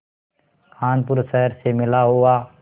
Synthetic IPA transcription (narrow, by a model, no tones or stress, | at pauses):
kʰaːnpʊɾsɛɦəɾsemɪlaɦua